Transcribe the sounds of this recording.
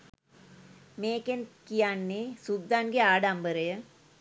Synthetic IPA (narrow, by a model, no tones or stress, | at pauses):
meːkenkijanːesubd̪ʱanɡeaːɖambəɾəjə